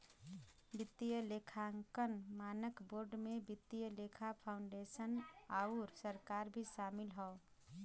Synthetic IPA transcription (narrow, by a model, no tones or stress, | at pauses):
bɪt̪ːijəlekʰaŋkənmaːnəkboːɾɖmebɪt̪ːijəlekʰapʰaʊɳɖesənauɾsəɾkaːɾbʱiʃaːmɪlɦɔ